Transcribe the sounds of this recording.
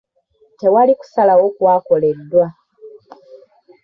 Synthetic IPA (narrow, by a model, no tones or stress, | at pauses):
te̞waliku̥salawo̞kwaːko̞le̞dːwa